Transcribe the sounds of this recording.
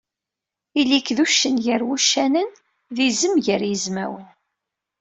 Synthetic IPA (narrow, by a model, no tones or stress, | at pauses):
ilikːðuʃːənʝəɾwuʃːænən | ðizəmʝəɾjəzmæwən